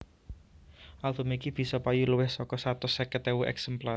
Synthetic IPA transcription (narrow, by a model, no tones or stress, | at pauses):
ʔaldo̤mikib̥i̤sɔpajuləwɪhsɔkɔsat̪ʊsɛkɛt̪ɛuʔɛ̰ksɛmplar